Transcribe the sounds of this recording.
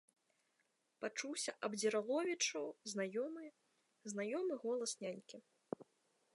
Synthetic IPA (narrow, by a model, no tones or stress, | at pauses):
pat͡ʂuwsʲɐʔɐbd͡zʲiɾalˠɔvʲit͡ʂɐwznajɔmɨ | znajɔmɨɣɔlˠɐsnʲanʲkʲi